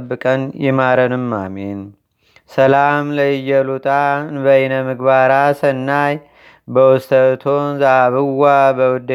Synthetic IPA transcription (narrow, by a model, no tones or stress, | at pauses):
bːɨkʼənjɛmaɾənɨmːa̰men | səlamləjəlut̪ʼanbəɪnəmɨɡbaɾasənːaj | bəwʊst̪ʰət̪ʰonzaβɨwːabəwʊd̪